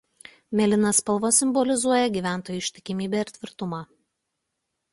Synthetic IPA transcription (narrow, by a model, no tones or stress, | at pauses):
mʲɛlʲɪnɐspɐlˠʋɐsʲɪmbɔlʲɪzuɔjɛɡʲiːʋʲæˑnˑt̪oːjuˑɪʃʲt̪ʲɪkʲɪmʲiːbʲeˑɪɾt̪ʲʋʲɪɾt̪ʊmɑː